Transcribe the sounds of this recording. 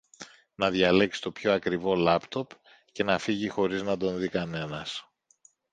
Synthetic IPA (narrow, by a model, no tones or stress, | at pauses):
nɐðʝɐle̞ksi̥t̪o̞pço̞ɐkɾivo̞lɐpt̪o̞p | ce̞nɐfiʝixo̞ɾiznɐd̪o̞nðikɐne̞nɐs